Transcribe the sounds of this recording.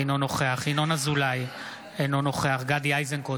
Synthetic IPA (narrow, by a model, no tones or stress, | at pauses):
inono̞χeaχinonazulaj | enono̞χeaχɡad̪iajzenko